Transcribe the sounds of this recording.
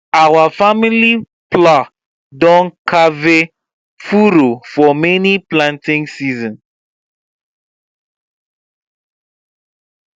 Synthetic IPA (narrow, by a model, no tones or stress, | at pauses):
awafamili | pla | dɔ̃nkʰave | fuɾofɔmɛniplãntĩŋsizɔ̃n